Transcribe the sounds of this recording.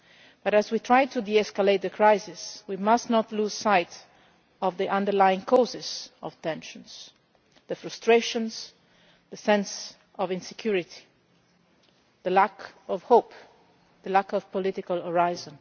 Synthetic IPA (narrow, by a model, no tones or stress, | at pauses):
b̥ʌɾæzwit̪ʰɹajtʰudiɛskaleɪt̪̚d̪əkʰɹaɪsɪswimasnɔt̪luːz̥saɪt | ɔvðiʔãndəɹlajɪ̃ŋkʰɔzɪz̥ɔv̥tɛ̃nʃə̃nz̥ | ðəfɹɨstɹeɪʃə̃nz | ðəsɛ̃ns | ɔvɪ̃nsɛkʰj̥uɹɪtʰi̥ | ðəlækɔv̥hoʊp | ðəlækɔv̥pɔlɪtɪkalˠɔɹaɪzə̃n